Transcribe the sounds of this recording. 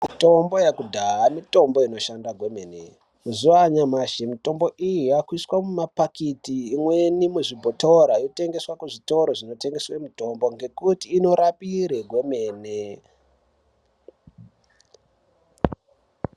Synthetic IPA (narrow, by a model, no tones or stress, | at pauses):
mitombo̞jakudʱaamito̞mbo̞ino̞ʃandaɡʱwe̞meːne | muzuaɲamaʃimito̞mbo̞ʔijujakwiswamumapakitiːmwenimuʐibʱoto̞ɾaijote̞ŋɡe̞swakuʐito̞ɾo̞ʐino̞te̞ŋɡeswemuto̞mbo̞ŋɡe̞kutiːno̞ɾapiɾeɡʱwe̞me̞ːne